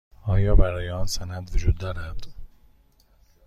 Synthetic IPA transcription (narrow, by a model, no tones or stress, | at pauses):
ɒːjɒːbæɾɒːjeɒːnsænæd̪vod͡ʒuːd̪ːɒːɾæd̪̥